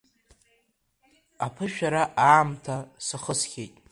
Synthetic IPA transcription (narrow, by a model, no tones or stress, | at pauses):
apʰɨʃᶣaɾaʔaːmtʰasaχəsχʲejtʼ